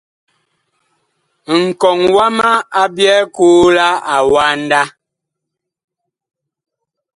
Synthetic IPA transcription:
ŋ̩˨kɔ˨ŋwa˦ma˦a˦bjɛ˦kuː˦la˦a˨wa˦n̩˦da˦

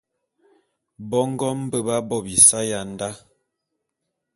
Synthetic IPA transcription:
bɔ˦ŋ˦ɡɔ˦m̩˦bə˦ba˦bɔ˦bi˨sa˦ja˨n˦da˦

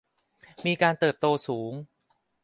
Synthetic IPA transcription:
miː˧kaː˧nt̪ɤː˨˩p̚t̪oː˧suː˩˦ŋ

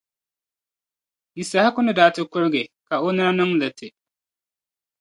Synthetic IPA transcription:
ji˨sa˨ha˦kʊ˦nɨ˦daː˨tɪ˦kʊ˦ɾɡɪ˨ka˨o˦na˦ɾnɨ˦ŋlɨ˨tʰɪ˨

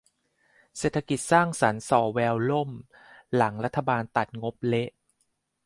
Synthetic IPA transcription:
seː˨˩t̪ʰːa˧ki˨˩t̪̚saː˥˩ŋsa˩˦nsɔː˨˩wɛː˧wlo˥˩m | la˩˦ŋɾa˦˥t̪ʰːa˧baː˧nt̪a˨˩t̪̚ŋo˦˥p̚le˦˥ʔ

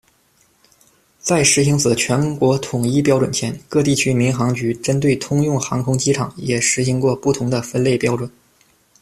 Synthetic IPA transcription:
t͡sa˥˩ɪʂɻ̩˧˥ɕi˧˥ŋt͡sɹ̩˨˩t͡ɕʰɥɛ˧˥nkwɔ˧˥t̪ʰʊ˨˩ŋi˥˧pjɑ˥ʊʈ͡ʂwə˨˩nt͡ɕʰjɛ˧˥nkɤ˥˧t̪i˥˩t͡ɕʰy˥mi˧˥ŋxɑ˧˥ŋt͡ɕy˧˥ʈ͡ʂə˥nt̪̬we˥˩ɪt̪ʰʊ˥ŋjʊ˥˩ŋxɑ˧˥ŋkʰʊ˥ŋt͡ɕi˥ʈ͡ʂʰɑ˨˩˦ŋjɛ˨˩ʂɻ̩˧˥ɕi˧˥ŋkwɔ˥˧pu˥˩t̪ʰʊ˧˥ŋd̪ə˧fə˥nle˥˩ɪpjɑ˥ʊʈ͡ʂwə˨˩˦n

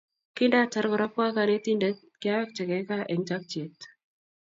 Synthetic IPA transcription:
kɪ˦nda˦t͡ʃa˦ɾkɔ˨ɾɔ˦pa˦ka˨ne˦t̪i˦nda˨˦ | kɪ˦a˦wɛ˦k̚t͡ʃɛ˨kɛ˨˦ka˦ʔɛ˨ŋt͡ʃa˦k̚t͡ʃe˨˦t̪

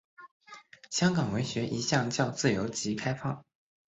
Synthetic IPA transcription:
ɕjɑ˥ŋkɑ˨˩ŋwe˧˥ɪɕɥɛ˧˥ʔi˧˥ɕjɑ˥˧ŋt͡ɕjɑ˥˧ʊt͡sɹ̩˥˩jo˧˥ʊt͡ɕi˧˥kʰa˥ɪfɑ˥˩ŋ

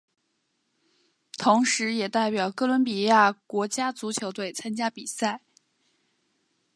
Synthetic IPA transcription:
t̪ʰʊ˧˥ŋʂɻ̩˧˥jɛ˨˩t̪a˥˩ɪpjɑ˨˩ʊkɤ˥lwə˧˥npi˨˩ja˥˩kwɔ˧˥t͡ɕja˥t͡su˧˥t͡ɕʰjo˧˥ʊt̪we˥˩ɪt͡sʰa˥nt͡ɕja˥pi˨˩sa˥˩ɪ

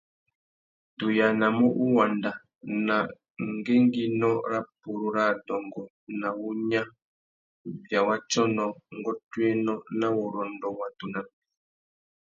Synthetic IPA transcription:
tu˨ja˨na˨mɔ˦ʔu˦wa˨nda˨ | na˨ | ŋ˦ɡe˦ŋɡi˦nɔ˦ɾa˦pu˨ɾu˨ɾa˦˨dɔ˨ŋɡɔ˨ | na˨wu˦ɲa˦ | vja˨wa˦t͡ʃɔ˦nɔ˨ŋ˦ɡɔ˦twe˦nɔ˦na˦wɔ˨ɾɔ˨ndɔ˦wa˨tu˨na˦

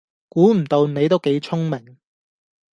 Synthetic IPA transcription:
kuː˨˥m̩˨˩t̪o˧wne˨˧jt̪o˥wke˨˧˥jt͡sʰʊ˥ŋmɪ˨˩ŋ

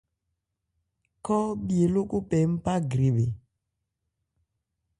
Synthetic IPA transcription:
kɔ˦ɓi˨e˨lo˦ku˦pɛ˨m̩˦pa˦ɡɾi˨be˨

